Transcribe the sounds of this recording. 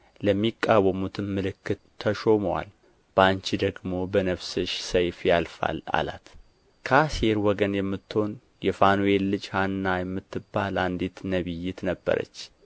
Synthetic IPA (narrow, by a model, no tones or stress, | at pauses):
ləmːikʼːawəmut̪ʰɨnmɨlɨkːɨt̪ʰːəʃo̞məwa̰l | b̥ant͡ʃid̪əɡmo̞bənəβsɨʃsəjfjalfa̰la̰la̰t̪ | kʰaseɾwɔɡənjɛmːɨt̪ːho̞n | jɛfanuelːɨd͡ʒhanːajɛmːɨt̪ʰːɨbalʔand̪it̪nəβɨjːɪt̪nəbːə̰ɾə̰t͡ʃː